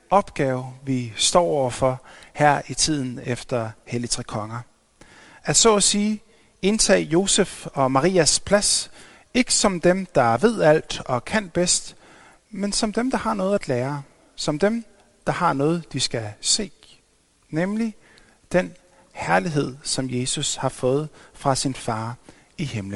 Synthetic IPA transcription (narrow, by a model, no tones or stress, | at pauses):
ɒ̽b̥ɡ̥ɛːʊʋisd̥ɒ̰ːɒʊ̰ɐfɒ̽hæɐ̰it͡sʰið̞̰ˠn̩efd̥ɐhelit͡sʰʁɛkʰɒ̽ŋɐ | æd̥sɒ̽siː | e̝nt͡sʰɛ̰ːjo̝sefɒ̽mɑ̈ʁḭːæspʰlæs | e̝ɡ̥əsɒ̽md̥emd̥ɑ̈ʋe̝ð̞̰ˠæl̰d̥ɒ̽kʰæn̰b̥esd̥ | mensɒ̽md̥emd̥ɑ̈hɑ̈nɔ̽ːð̩ˠæd̥læːɐ | sɒ̽md̥em | d̥ɑ̈hɑ̈nɔ̽ːð̞̩ˠd̥isɡ̥æse̝̰ː | nemli | d̥en | hæɐliɦe̝ð̰ˠsɒ̽mje̝ːsushɑ̈fɔ̽ːð̞̩ˠfʁɑ̈sinfɑ̈ː | ihe̝mlən